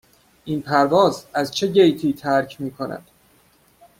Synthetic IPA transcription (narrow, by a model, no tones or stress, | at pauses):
ʔinpʰæɾvɒːzæzt͡ʃʰe̞ɟejt̪ʰiːt̪ʰæɾcʰmiːkʰonæ̰d̪̥